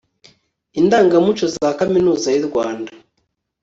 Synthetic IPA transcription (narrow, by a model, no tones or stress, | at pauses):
indaːŋɡamut͡ʃozaːkaminuːzajiɾɡwaːnda